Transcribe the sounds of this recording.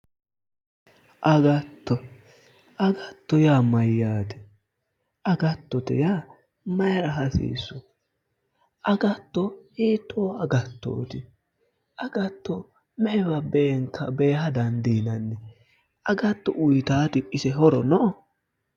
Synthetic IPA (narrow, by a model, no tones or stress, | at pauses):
ʔɐɡɐt̪ːɔ | ʔɐɡɐt̪ːɔjaːmɐjːaːt̪ɛ̥ | ɐɡɐt̪ːɔt̪ɛ̰jaː | mɐjɾɐɦɐsḭːsːɔ | ʔɐɡɐt̪ːɔhiːt̪ʰːoːɐɡɐt̪ːo̰ːt̪ɪ | ʔɐɡɐt̪ːɔ | mɛʔɛbɐbeːŋkːɐbeːhɐd̪ɐnd̪iːnɐnːɛ | ʔɐɡɐt̪ːɔʔʊjt̪aːt̪ɪʔɪsɛɦɔɾɔnɔ